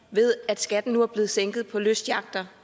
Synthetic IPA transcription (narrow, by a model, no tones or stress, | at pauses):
ʋe̝ð̞ˠæd̥sɡ̥æd̥n̩nuæɐb̥le̝ːð̩ˠseŋ̰ɡ̥ð̩ˠpʰɒ̽løsd̥jɑ̈ɡ̥̚d̥ɐ